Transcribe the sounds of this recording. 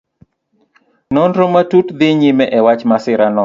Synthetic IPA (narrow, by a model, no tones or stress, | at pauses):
nɔndɾomatutd̪ɪɲɪmɛʔɛwat͡ʃmasɪɾanɔ